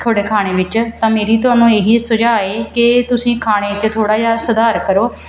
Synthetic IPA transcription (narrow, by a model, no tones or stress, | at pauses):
t̪ʰoːɽeːkʰaːɽ̃eːʋɪt͡ʃt̪ãːmeːɾiːt̪ʊaːnũːeːɦiːsʊd͡ʒaːeːkɪt̪ʊsĩːkʰaːɽ̃eːɪt͡ʃt̪ʰoːɽaːd͡ʒaːsəd̪aːɾkəɾoː